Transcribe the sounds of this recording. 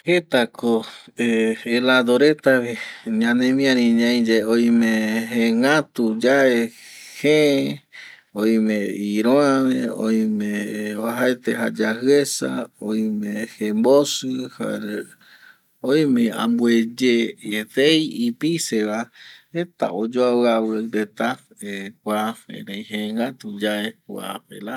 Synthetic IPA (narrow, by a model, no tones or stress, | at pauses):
het̪akʰoeelad̪oɾet̪aβeɲãnẽmĩãɾĩɲãĩd͡ʒeoj̃mẽɦẽŋãt̪ud͡ʒae | he | oj̃mẽiɾoãβẽõj̃mẽβaɦaet̪eɦa̰d͡ʒahɨesa̰ojmẽhembosɨha̰ɾ | ojmẽã̰mbued͡ʒeeθejipiseʋaet̪a̰od͡ʒoaaweɾet̪a | ekʷaḛ̃ɾejheŋat̪ud͡ʒaekwa̰pela